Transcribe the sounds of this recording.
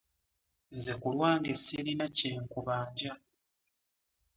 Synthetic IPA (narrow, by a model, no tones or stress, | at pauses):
nze̞kulwaːŋɡesilinaceːŋkuβaːɲɟa